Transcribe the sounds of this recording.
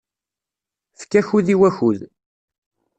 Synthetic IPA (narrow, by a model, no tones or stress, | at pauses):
fkːæçuðiwæçuð